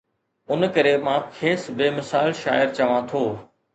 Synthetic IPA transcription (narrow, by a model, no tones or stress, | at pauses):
ʊnkɐɾemãːkʰeːsbeːmɪsaːɪlʃa̰ːjɪɾt͡ɕɐʋãt̪ʰoː